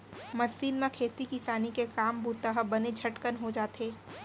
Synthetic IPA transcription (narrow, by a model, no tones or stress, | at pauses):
mɐsiːnmẽkʰeːt̪ikɪsaːnikekaːmbuːt̪aɦəbɐned͡ʒʱɐʈkənɦod͡ʒaːt̪eː